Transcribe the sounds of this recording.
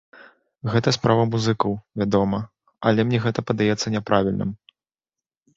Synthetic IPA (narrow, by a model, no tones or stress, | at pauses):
ɣɛt̪ɐspɾavɐmuzɨkɐwvʲad̪ɔmɐ | ɐlʲɛmnʲɛɣɛt̪ɐpɐd̪ajɛt̪sːɐnʲɛpɾʔavʲilʲnɨ̰m